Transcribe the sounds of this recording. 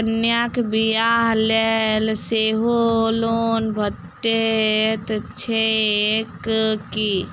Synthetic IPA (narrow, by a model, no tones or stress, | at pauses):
njakbijaɦlelseɦoloːnbʱət̪ː | et̪t͡ʃʰekki